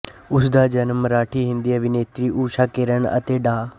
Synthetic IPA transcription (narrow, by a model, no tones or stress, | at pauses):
ʊsd̪aːd͡ʒənmɾaːʈʰiːɦɪ̃nd̪iːəbʱɪneːt̪ɾiːʔuːʃaːkeɾəɳə̰t̪eːɖaː